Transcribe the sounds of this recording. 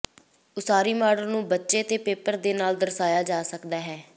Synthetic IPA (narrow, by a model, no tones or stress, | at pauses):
ʊsaːɾiːmaːɽəlnũːbətːʃeːt̪eːpeːpəɾd̪eːnaːld̪əɾsaːjaːd͡ʒaːsəkd̪aːɦɛː